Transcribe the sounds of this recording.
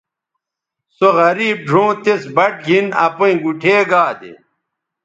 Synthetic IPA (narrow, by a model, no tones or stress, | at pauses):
soɣɐɾiːb̚ɖʱõːt̪esbɐʈ̚ɡʱinɐ̰poĩɡuʈʰeːɡaːd̪ḛ